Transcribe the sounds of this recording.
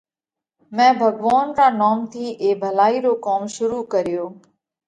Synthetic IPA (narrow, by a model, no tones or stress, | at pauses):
mɛ̃ːbʱəɡʋaːnɾaːnaːmt̪ʰiːʔeːbʱəlaːiːɾoːkaːmʃʊɾuːkəɾɪjoː